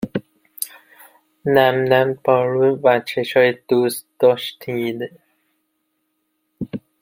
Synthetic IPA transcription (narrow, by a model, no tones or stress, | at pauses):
næmnæmpʰɒːɾuvæt͡ʃʰeʃɒːjed̪̥ust̪d̪̥ɔʃt̪ʰid̪